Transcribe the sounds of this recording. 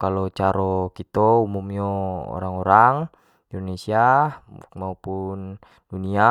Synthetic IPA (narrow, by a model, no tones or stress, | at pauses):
kalɔt͡ʃaɾɔkit̪ɔumumjɔɔ̰ɾaŋɔɾaŋ | indɔnesia | maupun | dunia